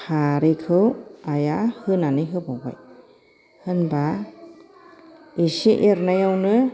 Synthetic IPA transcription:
kʰaɾikʰɯwajahɯnaniɦɯbɔwa̰j | hɯnba | iʃiʔeɾnajawnɯ

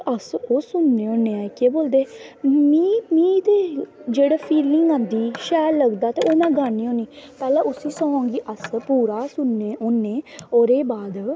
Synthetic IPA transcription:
əsoːsʊnːeːõːneːaːkeːboːld̪eːmiːmĩːt̪eːd͡ʒeːɽaːpʰiːlɪŋɡãːnd̪iːʃɛːllːəɡd̪aːt̪eːoːmɛ̃ːɡaːniːõːniːpɛːlẽːʔʊsĩːsɔɦõːŋɡiːʔəspuːɾaːsʊnːeːoːnːeːoːɾeːbaːd̪

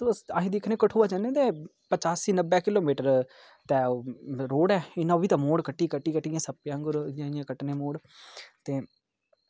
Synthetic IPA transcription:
t̪uəsaːɦĩːd̪ekʰnẽːkəʈʰuːaːd͡ʒãnẽːt̪eː | pət͡ʃaːsiːnəbɛ̃ːkɪloːmiːʈəɾ | t̪ɛːoɾoːɽɛːɪnãːbiːt̪ãːmoːɽkəʈːiːkəʈːiːkəʈːiãːsəpːjãːŋɡʊɾjãːĩjãːkəʈneːmoːɽ | t̪eː

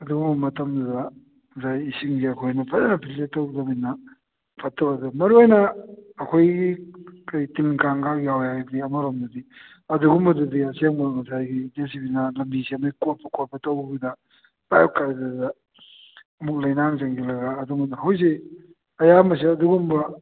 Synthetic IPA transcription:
ɐduɡumbɐmɐtɐmdudɐ | zajisiŋɡiɐkʰojnɐpʰɐtenɐpʰiletːɐwzɐbinɐ | pʰɐtːɐbɐdumɐɾuojnɐɐkʰojɡikɐjtiŋkaŋɡakjawjadiɐmɐɾomdudi | ɐduɡumbɐdudiɐseŋbɐŋɐsajɡid͡ʒes̬ibinɐlɐmbisiɐmɐjkot̚pʰɐkoɾpʰɐtɐwbidɐ | bajp̚kaɾdadɐ | ɐmuk̚lɐjnaŋzɐŋɡilɐɡaːduŋbɐdɐɦawjs̬e | ɐjamɐs̬iɐduɡumbɐ

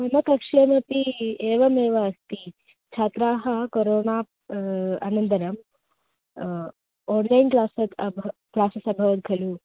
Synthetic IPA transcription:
mɐmɐkɐkʂemɐpieːʋɐmeːʋɐːst̪i | t͡ʃʰaːt̪ɾaːɦɐkoɾoːnaː | a̰nɐnt̪ɐɾɐm | ɔːnlainklaːsɐt̪ʰbʱklaːsɐsɐbʱɐʋɐt̪̚ɡʱɐlu

